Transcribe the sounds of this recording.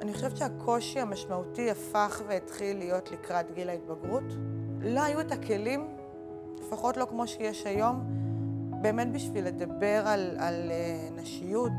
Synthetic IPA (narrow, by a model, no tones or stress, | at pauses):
ʔaniχo̞ʃevʃeakʰo̞ʃiamaʃmautiafaχveitχilːijo̞tlikʁatɡilait̚baɡʁutlo̞ajuetakʰe̞lim | llefaχo̞tlo̞kmo̞ʃejeʃajo̞m | be̞ːme̞tbiʃvile̞dabe̞ʁalaleneʃijut